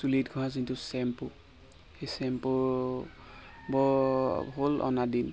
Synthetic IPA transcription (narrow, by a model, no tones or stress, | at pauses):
sulidɡʱɔɦazintusɛmpʊ | xejsɛmpʊ | bɔɦolʔɔ̰nadin